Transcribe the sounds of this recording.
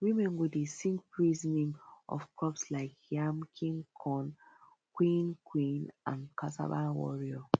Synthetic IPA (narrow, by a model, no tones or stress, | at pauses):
wimɛ̃nwidesĩŋkpɹiznĩŋʔɔ̰fkɔpslaɪkjamkʰĩŋkʰɔ̃n | kwĩnkʰwĩnã̰nkʰata̰banwɔ̰ɹio